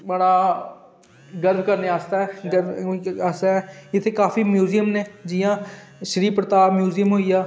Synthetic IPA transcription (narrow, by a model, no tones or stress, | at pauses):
bəɽaː | ɡəɾbkəɾneːaːst̪aːɦɛːɡəɾaːst̪aːɦɛːɪt̪ʰːeːkaːfʰiːmjuːzijəmneːd͡ʒɪjãː | ʃəɾiːpɾət̪aːbmjuːzijəmɦoːiːaː